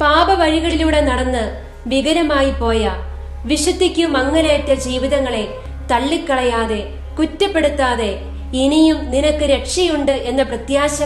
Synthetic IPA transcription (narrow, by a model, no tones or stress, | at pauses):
paːbɐʋɐɻiɣɐɭiluːɽe̞nɐɽɐnːɨ | ʋiɣɐɾɐmaːjipo̞ːjɐ | ʋiʂud̪ʱːikʲːumɐŋːɐleːtːɐd͡ʑiːʋiðɐŋːɐɭe̞ | t̪ɐɭːikːɐɭɐjaːðe̞ | kutːɐpːe̞ɽut̪ːaːðe̞ | inijumninɐkːɨɾe̞ʈʂijuɳɖɨʔe̞nːɐprɐt̪jaːɕɐ